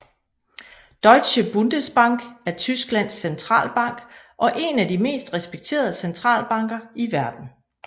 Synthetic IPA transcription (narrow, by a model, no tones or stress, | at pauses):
d̥ɒ̽ɪdɕəb̥und̥əsb̥ɑ̈ŋ̰ɡ̥æɐt͡sʰysɡ̥læn̰sːent͡sʰʁɑ̰̈ːlb̥ɑ̈ŋ̰ɡ̥ | ʔɒ̽ʔe̝nædime̝̰ːsd̥ʁɛsb̥eɡ̥̚t͡sʰe̝̰ːɐðˠsent͡sʰʁɑ̰̈ːlb̥ɑ̈ŋ̰ɡ̥ɐiʋæɐd̥n̩